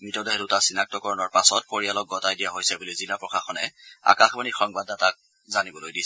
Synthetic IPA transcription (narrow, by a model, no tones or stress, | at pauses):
mitɔdɛɦɛdʊtasinak̚tɔkɔɹɔnɔɹpasɔt̚poɹialɔk̚ɡɔtajdijaɦojsɛbulizilapɹɔkaxɔnɛ̰a̰kaxbanixɔŋbandatak̚ | zanibɔlojdisɛ